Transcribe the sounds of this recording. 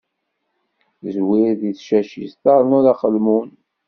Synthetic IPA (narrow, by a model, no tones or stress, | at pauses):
zwiɾðiθʃæʃist̪ɑɾˤənuɾaχəlmun